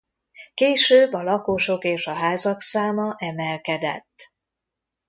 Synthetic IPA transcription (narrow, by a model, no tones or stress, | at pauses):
keːʃøːbːɒlɒkoʃo̞keːʃɒɦaːzɒksaːmɒʔɛmɛlkɛd̪ɛ̰t̪ː